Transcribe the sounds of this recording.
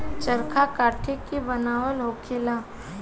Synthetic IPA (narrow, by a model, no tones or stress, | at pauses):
t͡ʃəɾkʰakaːʈʰekːibənaːʋəlɦoːkʰeːlaː